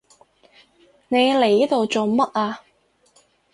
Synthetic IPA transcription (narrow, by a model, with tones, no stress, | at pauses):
ne˨˧jle˨˩jt̪o˨wt͡so˨wmɐ˥t̚aː˧